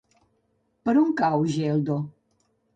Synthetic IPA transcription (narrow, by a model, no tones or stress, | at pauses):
pəɾuŋkawʒeld̪o